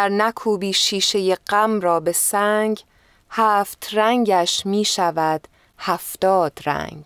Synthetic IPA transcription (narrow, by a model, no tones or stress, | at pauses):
æɾnækʰuːbiːʃiːʃe̞jeɢ̥æmrɒːbe̞sæŋɡ | hæːft̪ʰræŋɡæʃmiːʃævæd̪̥ | hæft̪ɒːd̪̥ɾæ̰ŋɡ